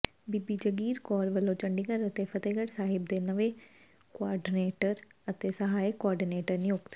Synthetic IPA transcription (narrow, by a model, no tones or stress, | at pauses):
biːbiːd͡ʒəɡiːɾkɔːɾʋəlːoːt͡ʃəɳɖiɡəɾət̪epʰət̪eːɡəɽsaːɦɪb̚d̪eːnəʋe | kʊaːɾɖɪneːʈəɾət̪eːsəɦaːikoɔːɾɖineːʈəɾniʊkt̪